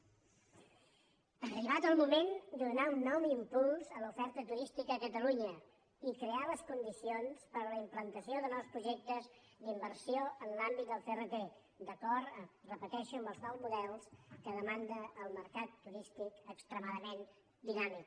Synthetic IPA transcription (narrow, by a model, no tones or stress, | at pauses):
əriβ̞at̪əlˠmumend̪unaunːɔwimpulˠzəlufɛɾt̪ət̪uɾist̪ikəəkət̪əluɲə | ikɾealəskund̪isionspəɾləimplənt̪əsioðənɔwspɾuʒek̚t̪əz | d̪imbəɾsioənlambit̪̚d̪əlˠferət̪e | d̪əkɔrt̪ərəpət̪ɛʃuəmbəlˠznɔwzmuðɛlˠskəðəmand̪əːlˠməɾkat̪ːuɾist̪ikəkst̪ɾəmaðəmen | d̪inamik